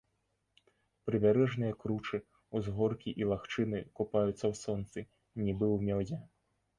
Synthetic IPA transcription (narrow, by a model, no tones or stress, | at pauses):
pɾɨbʲaɾɛʐnɨjɐkɾut͡ʂɨ | uzɣɔrkʲiʔilˠaxt͡ʂɨnɨkupajut̪sːɐwsɔnt̪sɨ | nʲibɨwmʲɔzʲɛ